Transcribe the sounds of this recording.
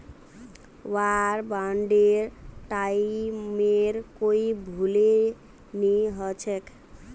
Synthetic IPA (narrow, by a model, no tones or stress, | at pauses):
waɾbaɳɖeɾʈaimeɾkoibʱule | niɦət͡ʃʰɛk